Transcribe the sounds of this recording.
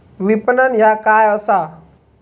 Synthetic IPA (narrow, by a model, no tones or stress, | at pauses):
ʋipənənjakaːjɔsa